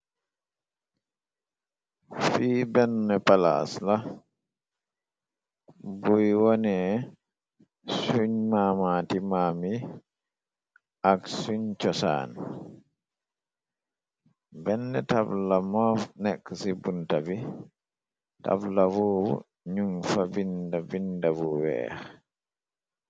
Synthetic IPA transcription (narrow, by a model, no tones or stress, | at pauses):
fiːbɛnːɛpala̰sla | bujwɔnɛ | suɲmaːmatimami | ʔaksuɲt͡ʃɔsa̰n | bɛnːɛtablamɔfnɛksibuntabi | ta̰blavṵ | ɲunfabindabindavuwɛ̰ːɾɛ